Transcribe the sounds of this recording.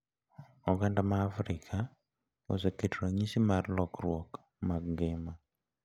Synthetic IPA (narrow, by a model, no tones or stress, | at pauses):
oɡandamaːfɾikʰa | o̰seketɾaɲisimaɾlɔkɾwɔk | maɡɡema